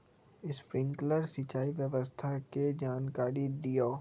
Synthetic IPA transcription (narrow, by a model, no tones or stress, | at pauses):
ɪspɾɪ̃ŋkləɾsit͡ʃaːiʋjəʋəst̪ʰaked͡ʒaːnkaːɾid̪ijoː